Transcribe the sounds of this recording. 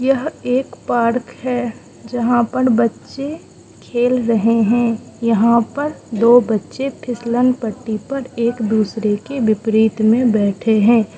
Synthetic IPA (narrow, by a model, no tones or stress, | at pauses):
jɐɦeːkpaːɾkɦɛː | d͡ʒɐɦãpɐɾbɐtːʃe | kʰeːlɾɐɦeɦɛ̃ːjɐɦãpɐɾd̪oːbɐtːʃepʰɪslənpəʈːipɐɾeːkd̪uːsɾekeʋɪpɾiːt̪mẽbɛːʈʰeɦɛ̃ː